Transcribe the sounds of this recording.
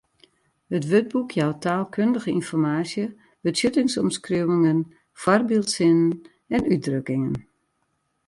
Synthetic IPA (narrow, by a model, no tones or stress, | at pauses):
hətʋøt̚bukʰjawtʰaːlˠkʰøndəɣəinfɔrmaːsjə | b̥ətsjøtɪŋsɔmskrøwɪŋən | fɔrbilˠtsɪnən | ɛnyt̚drøkɪŋən